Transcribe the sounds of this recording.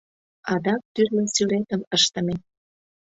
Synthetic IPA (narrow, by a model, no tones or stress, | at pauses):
ɑd̪ɑk̚t̪yrlesylet̪əməʃt̪ə̆me